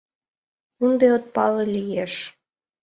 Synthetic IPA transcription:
und̪eot̪̚pɑlelʲijeʃ

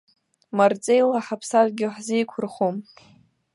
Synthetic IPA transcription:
mart͡sʼejlaħapʰsazɡʲɪħzijkʷʰʊrχum

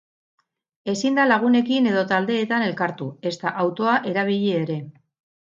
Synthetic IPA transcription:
e̞sind̪alaɣ̞une̞kine̞ð̞o̞t̪ald̪e̞ːt̪ane̞lkaɾt̪ue̞st̪aʔawt̪o̞aʔe̞ɾaβ̞iʎe̞ːɾe̞

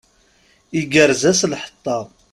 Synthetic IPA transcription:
iɡəɾzæslħə̥t̪ˤːɑ

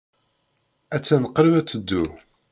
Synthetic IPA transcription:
æt͡sːænəqːɾəvæt͡sːəd̪ːu

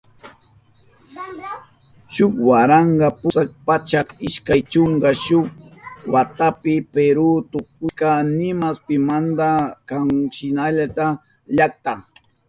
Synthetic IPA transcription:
ʃʊkwaɾaɴɢɑpʊsak̚pat͡ʃakɪʃkajt͡ʃoŋɡɑʃʊk̚wat̪apɪpeɾʊt̪ʊk̚ʊkanɪmaspɪmand̪akaŋʃɪnaʎat̪a | ʎak̚t̪a

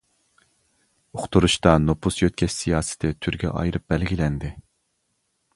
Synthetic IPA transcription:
oχt̪ʰuɾuʃt̪ɑnopʰusjøt̪̚ʲkʲʰɛʃsijɑːsɪ̥t̪ʰɪt̪ʰyɾɡʲɛ̰ʔɑ̰jɾɨp̚bɛlɡʲilɛnd̪ɪ

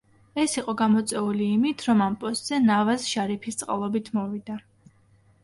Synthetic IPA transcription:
ɛsiqʼɔɡamɔt̪sʼɛuliːmit̪ʰɾɔmampʼɔst̪ʼz̥ɛnavasʃaɾipʰist̪sʼqʼa̰lˠɔbit̪ʰmɔvid̪a

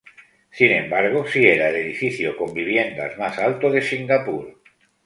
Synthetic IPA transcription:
sinẽ̞mbaɾɣ̞osieɾaele̞ðifiθjoko̞mbiβ̞je̞nd̪a̰zmasalt̪oðesiŋɡapuɾ

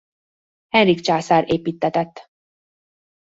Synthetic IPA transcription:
hɛnrikt͡ʃaːsaːɾeːpiːt̪ːɛt̪ɛt̪ː

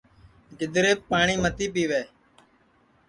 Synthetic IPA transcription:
ɡɪd̪ɾeːpːaːɳiːmət̪iːpiːʋeː

